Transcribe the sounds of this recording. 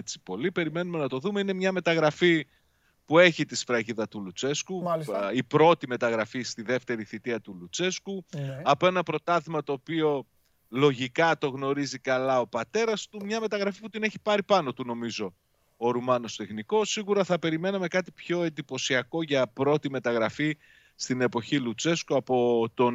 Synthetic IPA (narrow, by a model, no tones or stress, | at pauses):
et͡si̥po̞lipe̞ɾime̞nume̞nɐt̪o̞ðume̞ine̞mɲɐme̞t̪ɐɣɾɐfi | pue̞çit̪isfɾɐʝiðɐt̪ulut͡se̞skuipɾo̞t̪ime̞t̪ɐɣɾɐfist̪iðe̞ft̪e̞ɾiθit̪iɐt̪ulut͡se̞skuɐpo̞e̞nɐpɾo̞t̪ɐθimɐt̪o̞ːpio̞ | lo̞ʝikɐt̪o̞ɣno̞ɾizikɐlɐo̞pɐt̪e̞ɾɐst̪umɲɐme̞t̪ɐɣɾɐfiput̪ine̞çi̥pɐɾipɐno̞t̪uno̞mizo̞ | oɾumɐno̞st̪e̞xniko̞siɣuɾɐθɐpe̞ɾime̞nɐme̞kɐt̪ipço̞e̞nd̪ipo̞siɐko̞ʝɐpɾo̞t̪ime̞t̪ɐɣɾɐfi | st̪ine̞po̞çilut͡se̞skuɐpot̪o̞n